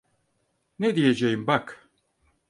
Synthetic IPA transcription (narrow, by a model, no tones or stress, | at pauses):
ned̪ijed͡ʒejimbak